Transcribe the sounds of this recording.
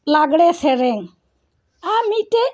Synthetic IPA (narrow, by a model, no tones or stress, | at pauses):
laɡɽɛsɛɾɛŋ | amiʈɛ